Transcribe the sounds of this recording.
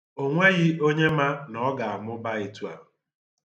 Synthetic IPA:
o˦ŋʷe˦ɣɪ˦o˦ɲe˦ma˦nɔ˦ɡa˨a˨mʊ˦ba˦i˨tu˦a̰˨

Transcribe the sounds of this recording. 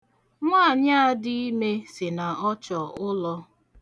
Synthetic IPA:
ŋʷaː˦˨ɲa˦a˨dɪ˦i˦me˦sɪ˨na˨ɔ˦t͡ʃɔ˨ʔʊ˦lɔ˦

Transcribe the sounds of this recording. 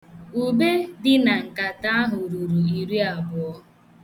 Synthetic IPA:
u˨be˦dɪ˦na˨ŋ̩˨ka˨ta˦a˦ɦʊ˨ɾu˨ɾu˨i˨ɾi˦a˨bʊ˨ɔ˦

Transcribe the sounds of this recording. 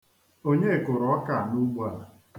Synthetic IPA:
o˦ɲe˦˨kʊ˨ɾɔ˨ɔ˦ka˨nu˦ɡ͡ba˨

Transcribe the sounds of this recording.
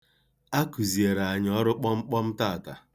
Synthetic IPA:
a˦ku˨zi˨e˨ɾa˨a˨ɲ˦ɔ˦ɾʊ˦k͡pɔ˦ŋ͡m̩˦k͡pɔ˦m̩˦taː˦˨ta˨

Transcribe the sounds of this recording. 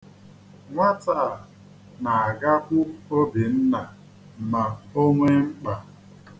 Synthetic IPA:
ŋʷa˦taː˨ | na˨a˨ɡa˦pʊ˦o˦bi˨n̩˦na˨ | m̩˨ma˨o˦ŋʷe˦ŋ͡m̩˦k͡pa˨

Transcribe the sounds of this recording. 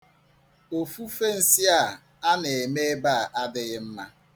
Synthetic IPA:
o˨fu˦fe˦n̩˨si˦a˦˨ | a˦ne˨e˨me˦ba˦a˨ʔa˦dɪ˦ɣɪ˦m̩˦ma˦

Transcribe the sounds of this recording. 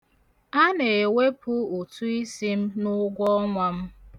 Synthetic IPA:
a˦ne˨we˦pʰʊ˦u˨tu˦i˦si˦m̩˦nʊ˦ɡʷɔ˦ŋʷa˦m̩˦

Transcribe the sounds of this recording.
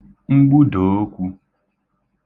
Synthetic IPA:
ŋ͡m̩˦ɡ͡bu˦do˨o˦kʷu˦

